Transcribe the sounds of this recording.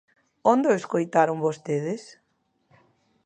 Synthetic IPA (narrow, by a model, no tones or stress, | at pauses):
ond̪oeskojt̪aɾʊŋbost̪eðɪs